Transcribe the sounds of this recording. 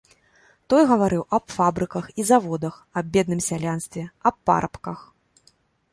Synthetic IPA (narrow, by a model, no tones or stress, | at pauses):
t̪ɔjɣɐvaɾɨwʔɐbfabɾɨkɐxizavɔd̪ɐxɐbbʲːɛd̪̚nɨmsʲalʲanst̪vʲɛɐpːa̰ɾɐpkɐx